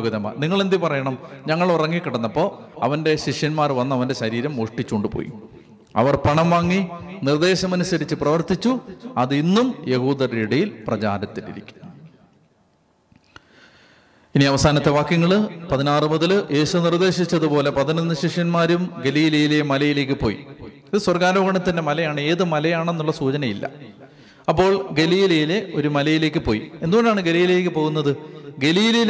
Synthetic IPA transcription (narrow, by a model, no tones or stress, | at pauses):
ɣɐðɐma̰ːniŋːɐɭe̞nd̪ipɐrɐjɐɳɐmɲɐŋːɐɭurɐŋːikːiɽɐnːɐpːo̞ːɐ̰ʋɐnde̞ɕiʂjɐnmaːrʋɐnːɐʋɐnde̞ɕɐɾiːɾɐmoʂʈit͡ɕːoɳɖɨpo̰ːjḭ | ɐ̰ʋɐrpɐɳɐmʋaːŋːinird̪e̞ːɕɐmɐnusɐɾit͡ɕːɨprɐʋɐrt̪it͡ɕːuɐðinːumje̞huːd̪ɐreːɽijilprɐt͡ɕa̰ːɾɐt̪ːinḭɾḭkʲːu̥nu | iniɐʋɐsaːnɐt̪ːe̞ʋaːkjɐŋːɐɭɨpɐðinaːrɨmuðɐlje̞ːɕunird̪e̞ːɕit͡ɕːɐðupo̞ːle̞pɐðinɐnːɨɕiʂjɐnmaːɾumɡe̞liːlɐjilemɐlɐjile̞ːk̬ʲːɨpo̞̰ːjḭ | iðɨswɐrɡaːɾɐːɣɐɳɐt̪ːinde̞mɐlɐjaːɳɨe̞ːðɨmɐlɐjaːɳenːuɭːɐsuːt͡ɕɐnɐjilːɐ̰ | ɐpːo̞ːɭɡe̞liːlɐjile̞ʔo̞ɾumɐlɐjile̞ːkːɨpo̞ːjḭie̞nd̪umondejaːɳɨɡe̞liːjlejeːk̬ʲːɨpo̞ːɣunːɐðɨɡe̞liːlɐji